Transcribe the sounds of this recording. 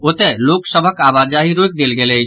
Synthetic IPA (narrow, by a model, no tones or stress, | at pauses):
ot̪ɛloksəbʱəkabad͡ʒaɦiɾok̚d̪elɡelɛ